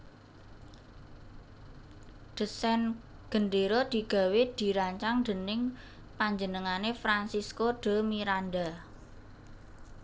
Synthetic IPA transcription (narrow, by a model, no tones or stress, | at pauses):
ɖ̪̥ə̤sɛnɡ̥ə̤nɖeɾod̪̥i̤ɡ̥a̤wed̪̥i̤ɾaɲt͡ʃaŋd̪ə̤nɪŋ | paɲd͡ʒənəŋanefɾansiskoɖ̥ə̤miɾanɖa